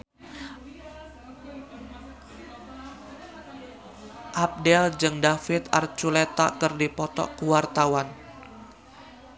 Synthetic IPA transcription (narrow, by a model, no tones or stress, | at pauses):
ʔap̚dɛld͡ʒɨŋdafɪt̪art͡ʃulet̪a̰kərdipɔt̪ɔ̰kuwart̪awan